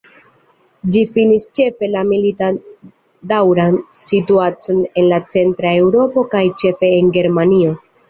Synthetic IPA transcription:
d͡ʒifinist͡ʃe̞fe̞lamilita | dawɾansituat͡so̞ne̞nlat͡se̞ntɾae̞wɾo̞po̞kajt͡ʃe̞fe̞ːŋɡe̞ɾmanio̞

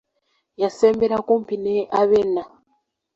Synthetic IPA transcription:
jasembeɾakumpineʔaβena

